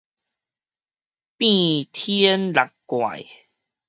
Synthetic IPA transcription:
pĩ˥˧˨t̪ʰi˦nla˨˩kkwa̰˨˩j

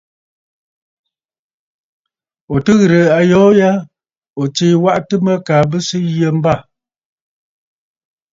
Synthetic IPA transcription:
o˨tɨ˦ɣɾə˨a˨jɔː˨˦ja˦ | o˨t͡ʃe˨wa˦ʔtɨ˦mə˦kaː˨bɨ˦sɨ˦ɣjə˦m̩˦ba˦˨

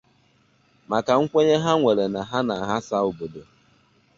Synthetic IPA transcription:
ma˨ka˨ŋ̩˦kʷe˦ɲe˦ɦa˦ŋʷe˨ɾe˨na˨ɦa˦na˨ɦa˦sa˦o˨bo˨do˨

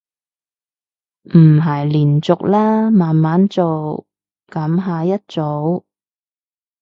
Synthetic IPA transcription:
m̩˨˩ɦɐ˨˩jliː˨˩nt͡sʊ˨k̚laː˥maː˨nmaː˨˥nt͡so˨w | kɐ˨˥mɦaː˧jɐ˥t̚t͡so˨˥w

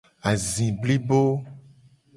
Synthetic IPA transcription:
a˨zĩ˨bli˦bo˦

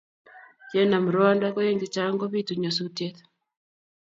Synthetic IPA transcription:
d͡ʒɛ˦na˨m˨ɾɔ˦a˦nda˦kɔ˦je˦ŋɡe˨t͡ʃa˦ŋɡɔ˦βi˦tu˨ɲɔ˨su˦tjɛ˦t̪

